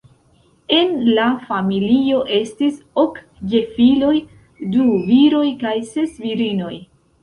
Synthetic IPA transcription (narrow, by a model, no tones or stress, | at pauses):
e̞nlafamilio̞ʔe̞stisok | d͡ʒe̞filo̞j | duviɾo̞jkajse̞sviɾino̞j